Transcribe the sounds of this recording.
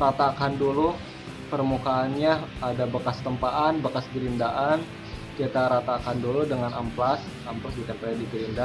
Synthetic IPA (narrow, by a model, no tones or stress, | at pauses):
ɾat̪akandulu | pərmukaːnɲaadabakast̪əmpaʔanbəkasɡiɾindaʔan | kiat̪aɾat̪akanduludəŋanamplas | amplasbikanpajadikiɾinda